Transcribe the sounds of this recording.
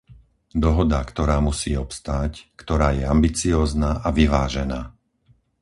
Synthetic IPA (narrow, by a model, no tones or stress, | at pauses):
d̪ɔɦɔd̪akt̪ɔɾaːmusiːɔpst̪aːckt̪ɔɾaːjɛambit͡siɔːznaːʔaʋiʋaːʒɛnaː